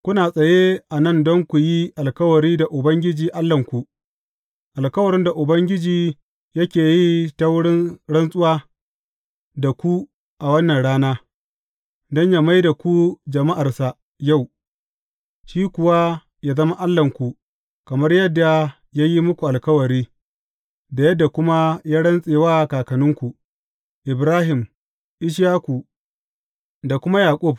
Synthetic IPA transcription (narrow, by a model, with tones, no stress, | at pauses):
kʷʊ˦naː˨sʼɐ˨je˦ʔa˨nɐ˦˨ndɔ˦ŋkʷu˨ji˦ʔa˨lkɐ˦wɐ˨ɾiː˦da˨ʔʊ˨bɐ˦ŋɡʲɪ˦d͡ʒiː˨ʔa˦lːɐ˨ŋkʷu˨ | ʔa˨lkɐ˦wɐ˨ɾɪ˦nda˨ʔʊ˨bɐ˦ŋɡʲɪ˦d͡ʒiː˨ | jɐ˦kʲeː˨ji˦ta˦wʊ˦ɽɪ˦ɽɐ˦nsʼʊ˦waː˦ | da˨kʷu˦ | ʔa˨wɐ˦nːɐ˨nɽaː˦naː˦ | dɔ˦ɲja˦ma˦jda˨kʷu˦d͡ʒɐ˨ma˦ʔa˨rsa˨ | ja˦˨w | ʃiː˦kʷʊ˨wa˦ | jaː˦zɐ˦ma˦ʔa˦lːɐ˨ŋkʷu˨ | kɐ˨mɐ˦rjɐ˦dːa˨ | jaː˦ji˦mʊ˦kʷu˨ʔa˨lkɐ˦wɐ˨ɾiː˦ | da˨jɐ˦dːa˨kʷʊ˦ma˦jaː˦ɽɐ˦nsʼeː˨waː˦˨kaː˨kɐ˨nʊ˦ŋkʷu˨ | ʔɪ˨bɾaː˦ɦɪ˨m | ʔɪ˦ʃ̬jaː˦ku˨ | da˨kʷʊ˦ma˦jaː˨kʷʼʊ˦˨b̚